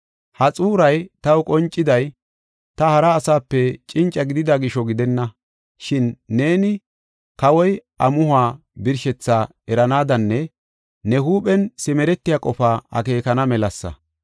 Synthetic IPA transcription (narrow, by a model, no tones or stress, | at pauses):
hɐt͡sʼuːɾɐjt̪ɐwʊkʼɔnt͡ʃʼːɪd̪ɐj | t̪ɐhɐɾɐːsaːpːɛt͡ʃʼɪnt͡ʃʼːɐɡɪd̪ɪd̪ɐɡɪʃɔɡɪd̪ɛnːɐ | ʃɪnːe̞ːnɪ | kɐwɔjʔɐmʊhʊaː | bɪɾʃɛt͡sːaː | ɛɾɐnaːd̪ɐnːɛ | nɛhuːpɛnsɪmɛɾɛt̪ːɪjaːkʼɔfaːɐ̰ke̞ːkɐnɐmɛlɐsːɐ̰